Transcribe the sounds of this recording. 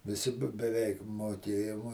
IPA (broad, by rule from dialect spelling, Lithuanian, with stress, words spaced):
ʋʲɪˈsʲɪ bʲɛ bʲɛˈʋʲɛɪk moːˈkʲeːjʊm oː